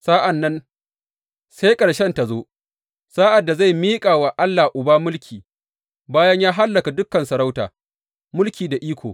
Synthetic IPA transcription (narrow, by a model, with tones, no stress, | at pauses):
saː˦ʔa˨nːɐ˦n | sa˦jkʼɐ˨ɽʃɛ˦nta˨zoː˦ | saː˦ʔa˨dːa˨za˦˨jmiː˦kʼaː˨wa˨ʔa˦lːaː˨ʔʊ˨baː˦mʊ˦lkʲʰiː˨ | baː˦jɐ˦ɲjaː˦ɦa˦lːɐ˨ka˨dʊ˦kːɐ˨nsɐ˨ɾa˦wta̰ː˨ | mʊ˦lkʲiː˨da˨ʔiː˦kʷoː˨